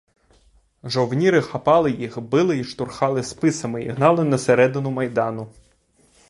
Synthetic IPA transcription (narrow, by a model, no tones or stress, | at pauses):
ʒɔwnʲiɾɪxɐpɑlˠɪjixbɪlˠɪiʃt̪ʊrxɑlˠɪspɪsɐmɪiɦnɑlˠɪnɐseɾɛd̪ɪnʊmɐjd̪ɑnʊ